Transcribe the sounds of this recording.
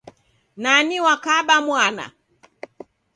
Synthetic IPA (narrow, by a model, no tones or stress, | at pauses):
naniwakaɓamwana̰